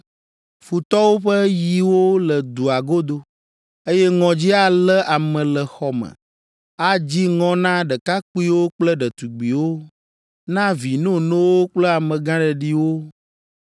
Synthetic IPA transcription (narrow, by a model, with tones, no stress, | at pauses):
fu˨t̪ɔ˦wo˦ɸɛ˦ji˨wo˦lɛ˨d̪u˨a˨ɡo˦d̪o˦ | e˦jɛ˦ŋɔ̃˨d͡ʑi˦a˦lɛ˦ʔa˨mɛ̃˨lɛ˨xɔ˨mə̰̃˨ | a˦d͡ʑi˦ŋɔ̃˦nã˦ɖɛ˨ka˦k͡pu˦i˦wo˦k͡plɛ˦ɖɛ˨t̪u˨ɡ͡bi˨wo˦ | nã˦vi˨nõ˦nõ˦wo˦k͡plɛ˦a˨mɛ̃˨ɡã˦ɖɛ˨ɖi˦wo˦